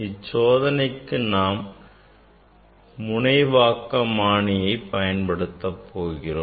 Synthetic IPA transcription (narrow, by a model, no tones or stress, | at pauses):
ɪt͡ʃːoːðɐnɐɪkːɯnaːm | ʊɳɐɪʋaːkːɐmaːɳɪjɐɪpːɐjɐnpɐɽɯt̪ːɐpʰːoːɣɪroː